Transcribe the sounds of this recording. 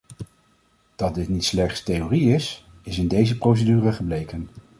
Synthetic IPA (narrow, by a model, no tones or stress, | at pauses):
d̥ɑt̚dɪtnitslɛχtstejoːriɪs | ɪsɪndejzəprows̬ədyːrəχəblejkən